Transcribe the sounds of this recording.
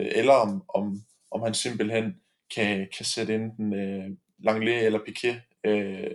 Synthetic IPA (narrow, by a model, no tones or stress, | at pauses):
elɐɒmɒ̽m | ʔɒ̽mhænsem̰b̥l̩hen̰ | kʰækʰæsed̥əend̥n̩ | lɑ̈ŋleelɐpʰikʰe | ø